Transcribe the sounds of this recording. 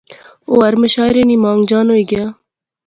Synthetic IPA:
oːɐɾməʃɑːjɾeːniːmɑːŋɡd͡ʒɑːnoːiɡɐjaː

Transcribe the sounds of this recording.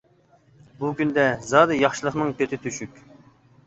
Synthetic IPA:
bukʲʰynd̪ɛzɑːd̪ɨjɑχʃɨlˠəqnɨŋkʲʰøt̪ʰɪt̪ʰyʃykʲ

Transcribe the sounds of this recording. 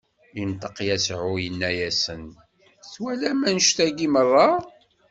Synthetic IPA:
int̪ˤəqjæsʕʊjənːæjæsən | θwælæmænəʃθæɡimərˤːɑ

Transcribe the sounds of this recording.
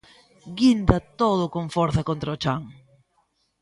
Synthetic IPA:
ɡind̪ɐt̪oð̞ʊkoŋfɔɾθɐkont̪ɾɐot͡ʃaŋ

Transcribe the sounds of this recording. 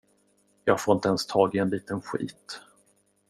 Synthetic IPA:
jɑːɡfoːɾɪnt̪əɛnst̪ʰɑːɡɪɛnliːt̪ənɧḭːt̪

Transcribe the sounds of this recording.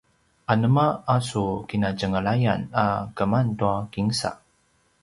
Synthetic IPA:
ʔanəmaasukinad͡ʒəŋəɭajanakəmantuakiŋsa̰

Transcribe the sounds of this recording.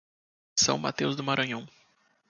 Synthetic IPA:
sɐ̰̃w̃ma̰t̪ewzd̪ʊmaɾɐ̃ɲɐ̃w̃

